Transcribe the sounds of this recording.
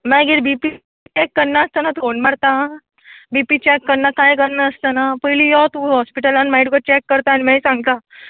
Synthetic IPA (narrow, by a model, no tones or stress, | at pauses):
mɛ̃ɡeɽbipi | t͡ɕɛkːəɾnaəst̪ənat̪uonmaɽt̪a | bipit͡ɕɛkːəɾnakajkəɾnaəst̪ənapəjlijɔt̪ũɦɔspiʈəlanmaiʈukəɾt͡ɕɛkːəɾt̪aːnimãjsãŋɡ̚t̪a